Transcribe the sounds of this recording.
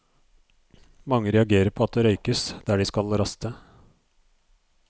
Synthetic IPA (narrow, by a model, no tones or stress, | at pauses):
mɑŋːəɾɛɑɡeːɾəɾpʰɔɑt̪̚d̪ɛːɾœʏkəsd̪̥æːɖɪskɑlɾɑst̪ə